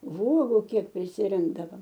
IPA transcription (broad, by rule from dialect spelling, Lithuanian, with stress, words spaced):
ˈʋuɔɡʊ ˈkʲiɛk pʲrʲɪsʲɪˈrʲɪŋɡdɐʋɐm